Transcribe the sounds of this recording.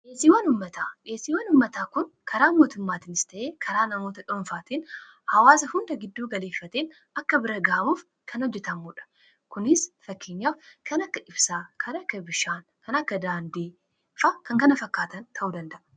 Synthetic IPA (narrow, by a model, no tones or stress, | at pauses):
ʔeːsiːwɐnʊmːɐt̪aːᶑeːsiːwɐnʊmːɐt̪aːkʊnkʰɐɾaːmo̞ːt̪ʊmːaːt̪iːnɪ̥st̪ɐʔe̞ːkʰɐɾaːnɐmo̞ːt̪ɐᶑɔɱfaːt̪iːn | hɐwaːs̬ɐhʊnd̪ɐɡɪd̪ːuːɡɐle̞ːfːɐt̪eːn | ɐkːɐbɪɾɐɡɐʔɐmuːf | kʰɐnɔd͡ʒːɛt̪ɐmuːᶑɐ̥ | kʊnɪsfɐkːeːɲːaːfkɐnɐkːɐʔɪbsaːkʰɐnɐkːɐbɪʃaːnkɐnɐkːɐd̪aːnd̪iː | faːkɐŋkɐnɐfɐkːaːt̪ɐnt̪ʰɐʔuːd̪ɐnd̪ɐʔɐ̥